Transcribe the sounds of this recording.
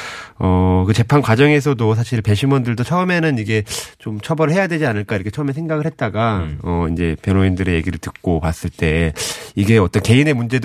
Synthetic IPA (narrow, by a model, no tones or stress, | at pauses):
ʌkɯt͡ɕe̞pʰankwad͡ʑʌŋe̞s̬ʰʌdos̬ʰaɕʰiɭpe̞ɕʰimwʌndɯɭdot͡ɕʰʌɯme̞nɯniɡe̞t͡ɕomt͡ɕʰʌbʌɾɯɭhe̞jadwe̞d͡ʑianɯɭk͈aiɾʌkʰet͡ɕʰʌɯmesʰe̞ŋɡaɡɯɭhe̞t̚t͈aɡaʌind͡ʑe̞pjʌnoindɯɾe̞je̞ɡiɾɯɭtɯk̚k͈opas͈ɯɭt͈e̞iɡe̞ʌt͈ʌnke̞ine̞mund͡ʑe̞d